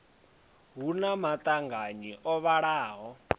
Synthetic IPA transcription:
ɦunamat̪ʼaŋɡaɲiʔɔβaɺaːɦɔ

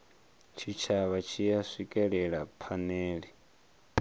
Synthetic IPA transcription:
t͡ʃʰit͡ʃʰaβat͡ʃʰijasikʼɛɺɛɺapʰanɛːɺi

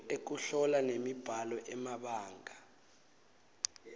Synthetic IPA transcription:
ek̬uɬɔlanemib̥ʱalɔʔɛmaɓaːŋʱa

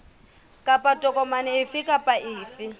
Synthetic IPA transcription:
kʼapʼatʼɔkʼɔmanɪɪfɪkʼapʼaʔɪːfɪ

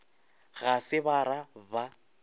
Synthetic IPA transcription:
ɣasɪβaɾaba

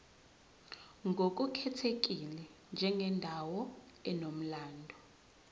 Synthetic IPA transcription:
ŋɡʱok̬ʼukʰɛtʰek̬ʼilɛnd͡ʒʱɛŋʱɛndʱawɔ | ɛnom̩laːndʱɔ

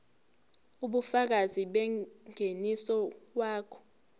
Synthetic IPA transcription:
uɓufak̬aziɓɛŋʱenisɔwaːkʰɔ̥

